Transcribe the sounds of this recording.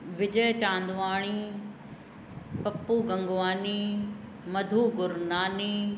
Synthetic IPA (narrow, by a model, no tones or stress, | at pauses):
ʋɪd͡ʑəjt͡ɕãːnd̪ʋaːɽ̃i | pɐpːuːɡɐ̃ŋɡʋaːniː | mɐd̪ʱuːɡʊɾnaːniː